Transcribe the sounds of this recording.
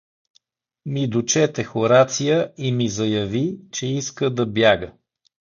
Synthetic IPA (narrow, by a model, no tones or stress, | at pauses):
mid̪ot͡ʃɛt̪ɛxoɾat̪sijəimizɐjɐvit͡ʃɛiskəd̪ɐbjaɡə